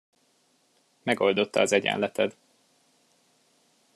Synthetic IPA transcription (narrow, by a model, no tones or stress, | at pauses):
mɛɡo̞ld̪o̞t̪ːɒɒzɛɟɛ̰nlɛt̪ʰɛd̪